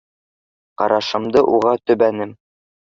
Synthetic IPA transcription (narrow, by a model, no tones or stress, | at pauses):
qɑ̰ɾʔɑʃɤ̆md̪ɤʔuʁɑt̪ɵ̆βænɘm